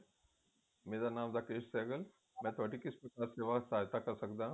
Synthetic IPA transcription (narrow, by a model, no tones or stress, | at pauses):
meːɾanaːmd̪akeːʃseːɡəl | mɛ̃t̪ʰoaːʈikispɾɐkaːɾseːʋasaːjt̪akɐɾsɐkd̪ãː